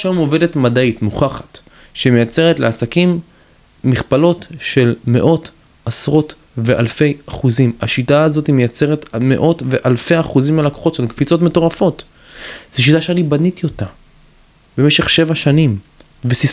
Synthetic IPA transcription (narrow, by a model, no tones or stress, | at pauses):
ʃamo̞ve̞de̞tmadaitmuχaχḁt | ʃemejat͡se̞ʁetleasakimː | iχpalo̞tʃe̞lme̞̰ʔo̞t | asʁo̞t | ve̞ʔalfe̞jaχuzimaʃitaːzo̞timejat͡seʁetme̞̰ʔo̞tve̞ʔalfe̞jaχuzimalako̥χo̞tʃelkfit͡so̞tme̞to̞ʁafo̞t | z̥eʃ̬itaʃeanibanitijo̞ta | beme̞ʃeχʃe̞vaʃanim | vesi